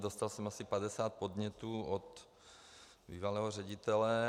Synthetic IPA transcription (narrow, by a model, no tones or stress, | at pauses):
dost̪alsɛmasɪpadɛsaːt̪̚pod̪ɲɛt̪uːot̪ | bḭːvalɛːɦor̝ɛɟit̪ɛlɛ